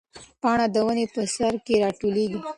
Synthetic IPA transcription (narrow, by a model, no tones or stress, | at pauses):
pɑɳad̪əwənepəsaɾkeɾɑʈoleɡi